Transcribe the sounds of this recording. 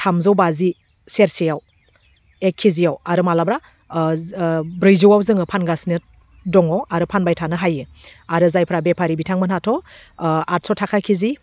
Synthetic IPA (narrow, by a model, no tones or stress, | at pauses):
tʰamzawbazi | seɾsijaw | ekʰːizijawaɾɯmalabɾa | bɾɯjzuwawzɯŋɯpʰanɡasinɯ | dɔŋɔwaɾɯpʰanbajtʰanɯɦajɯaɾɯzajpʰɾabepʰaɾibitʰaŋmɯnhatʰɔ | at̚sɔtʰakʰakʰizi